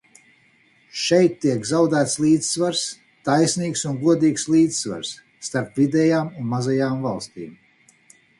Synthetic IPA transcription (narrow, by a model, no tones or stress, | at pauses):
ʃɛjt̪ːiɛkzawd̪æːt̪slˠiːd̪z̥svaɾs | t̪ajsʲniːksunɡuɔd̪iːkslˠiːd̪zsva̰ɾsː | t̪aɾpvid̪ɛjaːmunmazajaːmvalˠst̪ḭːm